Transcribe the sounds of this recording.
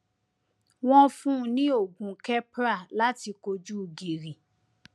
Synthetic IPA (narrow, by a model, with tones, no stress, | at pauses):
w̃ɔ̃˦fũ˦˨nĩ˦o˦˨ɡũ˨kɛ˦pɾa˦˨la˦ti˧ko˧d͡ʒu˦˧ɡi˨ɾi˨